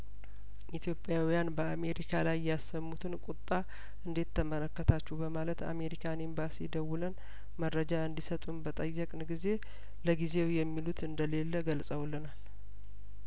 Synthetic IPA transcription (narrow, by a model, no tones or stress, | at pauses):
ʔit̪ʰjo̞pʼːjawijanbəame̞ɾikʰalajːɛasːəmːut̪ʰɨnkʷʼut̪ʼːa | ʔɨnd̪et̪ʰːəmələkːət̪ʰat͡ʃːɛbəmalət̪a̰me̞ɾikʰanimbasid̪əwulən | məɾəd͡ʒaɨnd̪isət̪ʼunbət̪ʼəjːəkʼnɡize̞ | ləɡize̞wjɛmːilut̪ʰɨnd̪əle̞lːəɡəlsʼəwlːənal